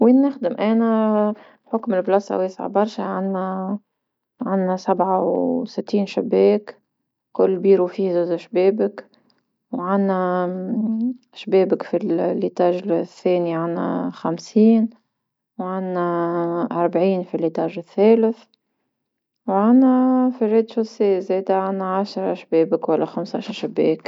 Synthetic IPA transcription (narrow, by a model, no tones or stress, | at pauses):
winːɪxd̪ɪmʔɛːnæ | ħʊkmɪlblɑsˤɑ̰weːsʕa̰bɑɾˤʃaʕanːæ | ʕanːæsabʕawsɪt̪ːiːnʃabɛːk | kʊlːbiːɾufiːzuːzʃbeːbɪk | wʕanːæ | ʃbɛːbɪkfillːit̪ˤɑːʒθːɛːniʕanːæ̰xamsiːn | wʕanːæʔɑɾˤbʕiːnfilːit̪ˤɑːʒɪθːɛːlɪθ | wʕanːæfireːd̪ʃʊseːzɛːd̪æʕanːæʕaʃɾˤɑʃbɛːbɪkwælːæxamsaʃnʃɪbːɛːk